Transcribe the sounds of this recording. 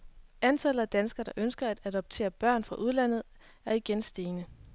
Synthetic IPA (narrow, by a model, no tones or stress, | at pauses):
ʔænsʰæl̰ɐæd̥ænsɡ̥ɐɾ̥ɑ̈ʔønsɡ̥ɐæd̥ædɒ̽b̥̚t͡sʰe̝̰ːɐb̥ɶɐ̰nfʁɑ̈ʔuð̞ˠlæn̰ð̞̩ˠ | æɐiɡ̥ensd̥e̝ːnə